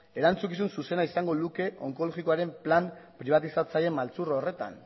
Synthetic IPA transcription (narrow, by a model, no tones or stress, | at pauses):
e̞ɾant͡sukisunsuse̞naisaŋɡo̞luke̞ʔo̞ŋko̞loɣiko̞aɾe̞mplampɾiβ̞at̪isat͡saje̞mːalt͡surore̞t̪a̰n